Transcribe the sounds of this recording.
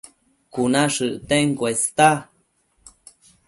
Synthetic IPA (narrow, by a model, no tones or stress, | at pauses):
kunaʂɨʔt̪eŋkwest̪a